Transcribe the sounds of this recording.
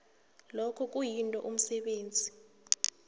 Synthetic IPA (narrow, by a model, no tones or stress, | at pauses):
lɔkʰɔk̬ʼujintʼɔ̰ʔum̩sɛɓeːnd͡zʱi